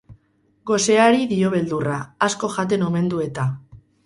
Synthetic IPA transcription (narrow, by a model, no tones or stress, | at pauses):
ɡo̞se̞aɾiðio̞βe̞ld̪uraːsko̞ʝat̪̬e̞no̞me̞nd̪ue̞t̪a